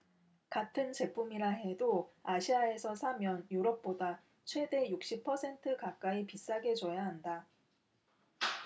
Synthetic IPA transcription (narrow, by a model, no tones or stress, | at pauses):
katʰɯnt͡ɕe̞pʰumiɾaɦe̞doaɕʰiae̞sʰʌsʰamjʌnjuɾʌp̚p͈oda | t͡ɕʰwe̞de̞juk̚ɕ͈ipʰʌsʰe̞ntʰɯkak͈aipis͈aɡe̞t͡ɕʌjaɦanda